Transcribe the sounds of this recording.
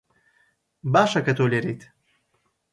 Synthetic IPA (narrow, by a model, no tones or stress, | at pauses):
baːʃɐkɐt̪ʰoːleɾejt̪ʰ